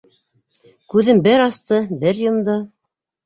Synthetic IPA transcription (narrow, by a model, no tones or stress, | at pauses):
kʉðɘmbɘɾɑst̪ɤbɘɾjŏmd̪ɤ